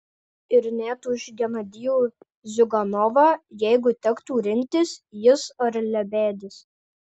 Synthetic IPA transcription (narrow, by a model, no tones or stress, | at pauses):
ɪɾnʲæːt̪uːɪʃɡʲɛnɐd̪ʲɪjuː | zʲʊɡɐnɔʋɑːjɛɪɡʊt̪ʲɛkt̪uːɾʲɪnʲt̪ʲɪsjɪsɐɾlʲɛbʲæːd̪ʲɪs